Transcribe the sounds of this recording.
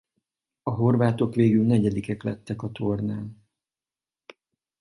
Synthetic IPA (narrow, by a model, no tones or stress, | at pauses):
ɒɦo̞rvaːt̪o̞kʋeːɡylnɛɟɛd̪ikɛklɛ̰t̪ːɛkɒt̪o̞rnaːn